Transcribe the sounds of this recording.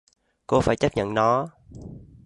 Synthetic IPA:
ko˧faː˧˩jt͡ɕə˦˥p̚ɲə̰˧˨nnɔ˨˦

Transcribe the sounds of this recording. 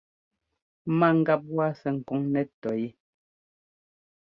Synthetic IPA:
ma˦˨ŋ̩˦ɡa˦p̬̚wa˦sɛ˨ŋ̩˨kɔ˨˦ŋnɛ˦tɔ˨ji˦

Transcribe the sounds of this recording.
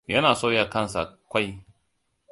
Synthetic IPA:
jɐ˦naː˨soː˦ja˨kɐ˦˨nsa̰˨kʷa˦j

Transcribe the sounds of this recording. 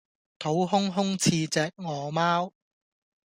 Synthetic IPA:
t̪ʰo˨˥wɦʊ˥ŋɦʊ˥ŋt͡sʰiː˧t͡sɛː˨k̚ŋɔː˨maː˥w

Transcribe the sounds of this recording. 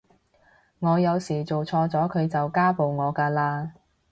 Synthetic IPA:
ŋɔː˨˧jɐ˨˧wsiː˨˩t͡so˨wt͡sʰɔː˧t͡sɔː˨˥kʰɵ˨˧ɥt͡sɐ˨wkaː˥po˨wŋɔː˨˧kaː˧laː˧

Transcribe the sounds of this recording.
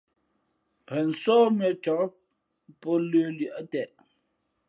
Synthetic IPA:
pʰɛ˨n̩˨sɔː˦mɛ˨tɔ˨˦ | pɔ˦lø˦li˨ʔə˦tɛ˨ʔ

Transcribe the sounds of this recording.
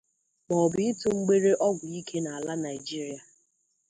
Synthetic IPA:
mɔ˨bɪ˨˦ɪ˦tʊ˦ŋ͡m̩˦ɡ͡be˦ɾe˦ʔɔ˦ɡʷʊ˨i˦kʰe˦na˨a˨la˦na˨ɪ˨d͡ʒi˦ɾi˦a˨

